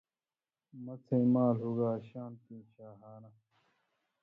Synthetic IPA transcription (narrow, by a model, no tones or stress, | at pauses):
mɐt͡sʰẽːmaːlɦuɡaːɕaːnt̪ĩːɕaːɦaːna